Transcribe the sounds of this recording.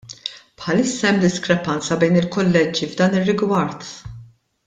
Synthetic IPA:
pħɐlɪsːɐɛmːd̪ɪskɾɛpɐnt͡sɐbɛjnɪlkɔlːɛd͡ʒivd̪ɐːnɪrːɪɡwɐɾt̪

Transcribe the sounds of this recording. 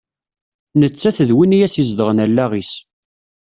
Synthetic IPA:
nət͡sːæθəðwinijæsizd̪əʁənælːæʁis

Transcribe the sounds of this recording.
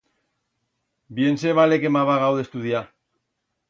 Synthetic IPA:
bienseβalekemaβaɣawðe̞st̪uðia

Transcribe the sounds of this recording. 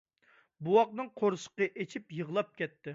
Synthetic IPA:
buwɑq̚nɨŋqʰoɾʃə̥qəʔet͡ʃʰipjəʁlˠɑp̚kʲɛt̪ːɪ

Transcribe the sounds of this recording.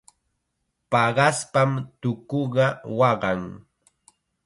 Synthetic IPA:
pɑɢɑspamt̪ʊkoɢɑwɑɢɑŋ

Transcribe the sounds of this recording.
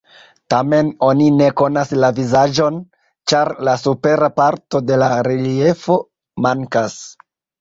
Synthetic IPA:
tame̞no̞nine̞ko̞naslavizad͡ʒo̞n | t͡ʃaɾlasupe̞ɾapaɾto̞de̞laɾelie̞fo̞ | maŋkas

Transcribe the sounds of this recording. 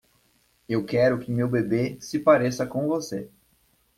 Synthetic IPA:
ewkɛɾʊkɪmewbebesɪpaɾesɐkõvose

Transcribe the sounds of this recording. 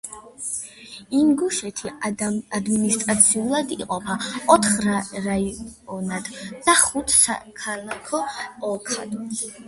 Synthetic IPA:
imɡuʃɛt̪ʰiad̪minist̪ʼɾat̪sʰiulˠad̪ḭqʼɔpʰaɔt̪ʰχɾaɾaɔnad̪̥d̪̥aχut̪ʰsa̰kʰalˠakʰɔɔkʰa̰d̪

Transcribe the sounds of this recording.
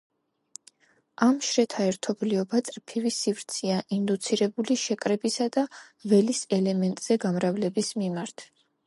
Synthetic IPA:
amʃɾɛt̪ʰaɛɾt̪ʰɔbliɔbat̪sʼɾpʰivisivɾt̪sʰiaʔind̪ut̪sʰiɾɛbuliʃɛkʼɾɛbisad̪a | vɛlisɛlɛmɛnt̪ʼz̥ɛɡamɾavlɛbismimaɾt̪ʰ

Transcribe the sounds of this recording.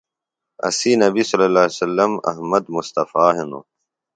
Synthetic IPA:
ɐ̰siːnɐbisɐlːɐlaːsɐlːɐmɐ̰ɦmɐd̪mʊst̪ɐfaːɦeno̰

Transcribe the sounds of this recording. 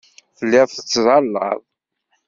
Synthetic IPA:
fəlːɪðˤθət͡sːzˤɑlːə̰ðˤ

